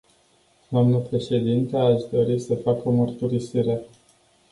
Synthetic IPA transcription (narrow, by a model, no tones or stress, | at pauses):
d̪oamnəpɾe̞ʃe̞d̪int̪əaʃd̪o̞ɾisəfako̞mərt̪uɾisiɾe̞